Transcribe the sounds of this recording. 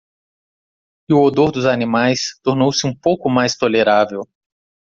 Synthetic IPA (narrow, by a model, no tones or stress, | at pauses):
ɪʊod̪oɾd̪ʊzanĩmajst̪oɾnowsɪũpowkʊmajst̪oleɾavew